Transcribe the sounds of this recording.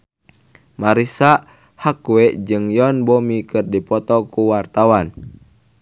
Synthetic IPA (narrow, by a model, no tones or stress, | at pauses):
maɾisa | hakuɛd͡ʒɨŋjɔnbɔmikɨrdipɔt̪ɔkuwart̪awan